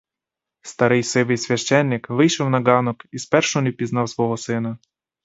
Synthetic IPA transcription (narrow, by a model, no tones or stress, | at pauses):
st̪ɐɾɪjsɪʋɪjsʲʋʲɐʃt͡ʃɛnːɪkʋɪjʃɔwnɐɡɑnɔkispɛrʃɔnipʲiznɑwsʋɔɦɔsɪnɐ